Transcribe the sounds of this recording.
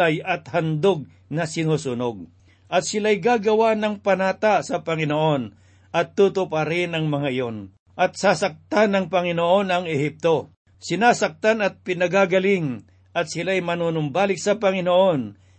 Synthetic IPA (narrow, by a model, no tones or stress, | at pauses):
ajɐt̪hɐnd̪oɡ̚ | nɐsɪnuːsʊnoɡ̚ | ʔɐt̪̚sɪlajɡaːɡɐwanɐŋpɐnaːt̪asɐpɐŋɪnoʔo̞n | ʔɐt̪ːut̪ʊpaɾɪnɐŋmɐŋaɪjo̞n | ʔɐt̪̚sasɐk̚t̪anɐŋpɐŋɪnoʔo̞nɐŋɛhip̚t̪o̞ | sɪnaːsɐk̚t̪anɐt̪̚pɪnɐɡaːɡɐlɪŋ | ʔɐt̪̚sɪlajmɐnuːnʊmbaːlɪk̚sɐpɐŋɪnoʔo̞n